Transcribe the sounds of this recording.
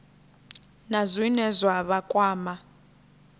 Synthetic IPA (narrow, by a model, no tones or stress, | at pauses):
nazʷinɛzʷwaβakʼwaːma